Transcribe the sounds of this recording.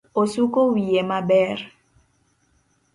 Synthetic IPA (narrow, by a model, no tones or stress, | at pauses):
osukowiemabɛɾ